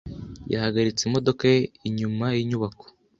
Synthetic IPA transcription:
ja̰haɡaɾit͡seimo̞do̞kaiɲumajiɲuβako̥

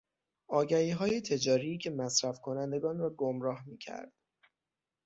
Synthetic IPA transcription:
ʔɒːɟæhiːɦɒːje̞t̪ʰe̞d͡ʒɒːɾiːcʰe̞mæsɾæfkʰo̞nænd̪e̞ɡɒːnrɒːɡomɾɒːhmiːcʰæ̰ɾd̪̥

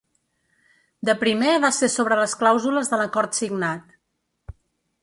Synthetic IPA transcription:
d̪əpɾimeβasesoβɾələsklawzuləzðələkɔɾt̪siɡnat̪

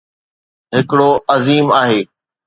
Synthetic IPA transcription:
ɦɪkɪɽoːʔɐziːmaːɦeː

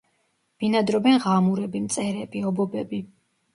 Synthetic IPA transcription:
b̥inad̪ɾɔbɛnʁamuɾɛbimt̪sʼɛɾɛbiɔbɔbɛbi

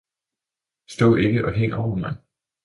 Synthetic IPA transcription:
sd̥oðʔe̝ɡ̥əʔɒ̽ɦeŋ̰ɒʊ̰ɐmɑ̈ɪ

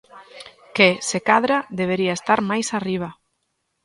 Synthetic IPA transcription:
kesekaðɾaðeβ̞eɾiaest̪aɾmajsariβ̞a

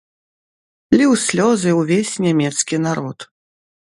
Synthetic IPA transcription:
lʲɛwsʲlʲɔzɨwvʲesʲnʲamʲɛt̪skʲinaɾɔt̪

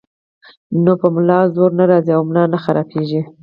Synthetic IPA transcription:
nopəmʊlɑzoɾnaɾɑziawmnɑnaxaɾɑpʰeʒi

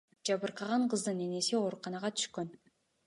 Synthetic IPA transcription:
d͡ʒɑβɯɾqɑʁɑɴqʰɯzd̪ɯne̞ne̞sio̞ɾuqɑnɑʁɑt̪ʰy̥ʃkø̞n

